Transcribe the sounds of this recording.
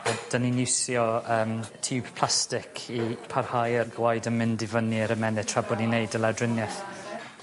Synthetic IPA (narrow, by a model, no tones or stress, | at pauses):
əd̥aninɪwsjɔəːmtʰiːb̥pʰl̥ˠastɪkʰipʰarhajərɡwajdənmɪndɪvəniəɾəmɛnɪ̥tʰr̥abɔdninejdəlˠadrɪnjɛθ